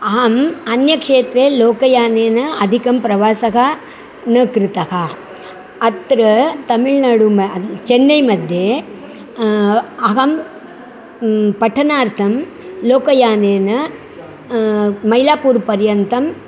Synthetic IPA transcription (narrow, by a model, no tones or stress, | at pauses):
aːmɐnjɐkʂeːt̪ɾeːloːkɐjaːneːnɐɐd̪ʱikɐmpɾɐʋaːsɐɣɐ | nɐkɾɪt̪ɐɣaː | ɐt̪ɾɐt̪ɐmɪɭnɐɽumɐt͡ʃɛnːɐɪmɐd̪ʱje | ɐɣɐm | pɐʈʰːɐnaːɾt̪ʰɐm | loːkɐjaːneːnɐ | mɐjlaːpuːɾpɐɾjɐnt̪ɐm